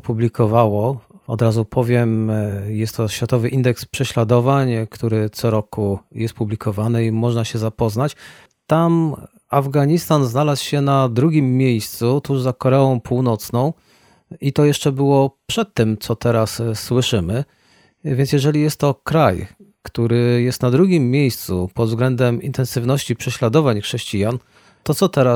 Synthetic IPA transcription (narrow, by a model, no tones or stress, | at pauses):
publʲikʰɔvawɔɔ̰d̪ɾazupʰɔvʲjɛmjɛst̪ːɔɕfʲjat̪ɔvɘʔind̪ɛkspʂɛɕlad̪ɔvaɲkt̪uɾɘt̪sɔɾɔkujɛst̪̚publʲikɔvanɘimɔʐnaɕɛzapɔznat͡ɕ | t̪am | avɡaɲist̪anznalaswɕɛnad̪ɾuɡʲimːʲjejst̪sut̪uʐzakɔɾɛɔ̃w̃pʰuwnɔt̪snɔ̃w̃ | it̪ɔjɛʂt͡ʂɛbɘwɔpʂɛt̪ːɘmt̪sɔt̪ɛɾasːwɘʂɘmɘ | vʲjɛns̬ʲjɛʐɛlʲijɛst̪ːɔkɾaj | kt̪uɾɘjɛst̪nad̪ɾuɡʲimːʲjejst̪supɔd̪vzɡlɛnd̪ɛmint̪ɛnsɘvnɔɕt͡ɕipʂɛɕlad̪ɔvaɲxʂɛɕt͡ɕijan | t̪ɔt̪sɔt̪ɛɾa